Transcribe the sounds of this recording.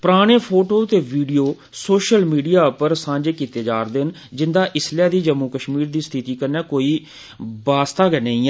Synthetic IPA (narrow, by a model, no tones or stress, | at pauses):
pɾaːɽ̃eːpʰoːʈoːt̪eːʋiːɖijoː | soːʃəlmiːɖijaːpəɾsãːɲd͡ʒeːkiːt̪eːd͡ʒaːɾd̪ɪn | d͡ʒɪnd̪aːʔɪslaːd̪iːd͡ʒəmːuːkəʃmiːɾd̪iːst̪ʰɪt̪iːkəɾnɛːkoːiː | baːst̪aːɡɛnəĩːɛ